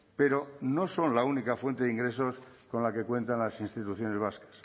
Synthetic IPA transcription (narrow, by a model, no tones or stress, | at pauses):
pe̞ɾono̞so̞nlaunikafwe̞nt̪eiŋɡɾe̞sosko̞nlake̞kwẽ̞nt̪anlasinst̪it̪uθjo̞ne̞zβ̞askḁs